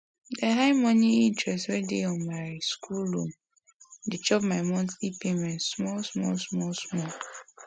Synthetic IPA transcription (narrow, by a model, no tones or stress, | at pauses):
deɦaɪmɔniintɹɛstwedeɔnmaɪskʰulːom | det͡ʃɔpmaɪmɔ̃ntipemɛ̃ntsmɔlsmɔlsmɔlsmɔl